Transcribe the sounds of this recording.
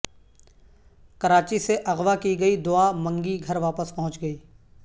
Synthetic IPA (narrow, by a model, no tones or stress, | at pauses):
kɐɾaːt͡ʃiseʔɐɣʋakiɡɐid̪ʊamɐ̃ŋɡiɡʱɐɾʋaːpəspɐɦʊ̃t͡ʃɡɐiː